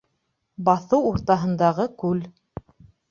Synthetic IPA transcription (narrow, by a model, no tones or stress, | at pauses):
bɑθɤwuɾt̪ɑɦɤ̆nd̪ɑʁɤkʉl